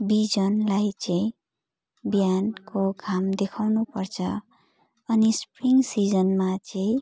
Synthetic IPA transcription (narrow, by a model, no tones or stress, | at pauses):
bid͡zʌnlajt͡sʌĩ | bjankoɡʰʱamd̪ekʰawnupʌrt͡sʰʌ | ʌnispriŋsid͡zʌnmat͡sʌĩ